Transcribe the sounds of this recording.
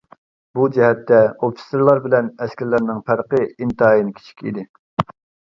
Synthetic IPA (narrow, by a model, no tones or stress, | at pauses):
bud͡ʒɛɦɛt̪ːɛopːi̥seɾlˠɑɾbɪlɛnɛskʲɛɾlæɾnɪŋpʰæɾqəint̪ɨɑjinɪkʲʰi̥t͡ʃʰi̥kʲḭd̪ɪ